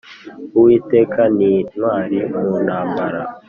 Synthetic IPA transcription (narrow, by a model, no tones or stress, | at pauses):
uwiːteːkʰaninwaːɾimunaːmbaɾa